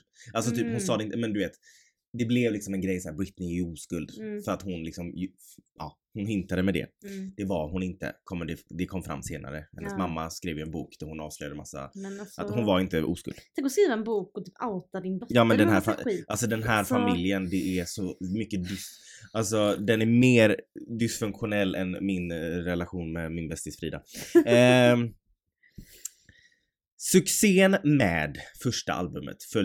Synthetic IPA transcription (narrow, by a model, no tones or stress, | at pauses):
als̬ɔt̪ʰyːphʊnsɑːd̪ɛɪnt̪əmɛnd̪ɵveːt̪ | d̪ɛblɛvlɪksɔmɛnɡɾɛjsɔæːɾbɾɪt̪nɪɪuːskɵld̪fœɾat̪hʊnlɪksɔmʔɑ̰ː | hʊnɦʏnt̪ad̪əmɛd̪ɛ̰d̪̥ɛvaɾɦʊnɪnt̪ə̰kʰɔmːd̪ɛd̪ɛkʰɔmːfɾa̰mːseːna̰ɾəhɛnːəsmamːaskɾeːvjɪɛnbuːkd̪̥æɾhʊnɑ̰ːv̥slœʏjad̪əma̰sːa̰ʔat̪hʊnvaɾɪnt̪əʔṵːskɵ̰ld̪t̪ʰɛ̃ŋkɔskɾiːvaɛnbuːkɔt̪ʰyːpaʊt̪adɪnbɔjɑːmɛnd̪ɛnɦæːɾfaʔals̬ɔd̪ɛnɦæːɾfamɪljənd̪ɛʔæʂɔmʏkːəd̪ʏsʔals̬ɔd̪ɛnæɾmeːɾd̪ɪsfɵŋkɧʊnɛlːɛ̰nmɪnɾɛlaɧuːnmɛmɪnbɛst̪ɪsfɾḭːd̪a̰ | sɵkseːnmɛ̰ːd̪fœʂʈa̰ʔa̰lbɵmə̰t̪fœ